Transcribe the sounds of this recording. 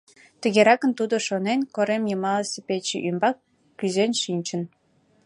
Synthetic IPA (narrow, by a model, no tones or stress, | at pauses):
t̪ə̆ɣeɾɑkənt̪ud̪oʃonenkoɾemjəmɑlesʲepet͡ɕḭʔymbɑkː | yzenʃinʲt͡ɕən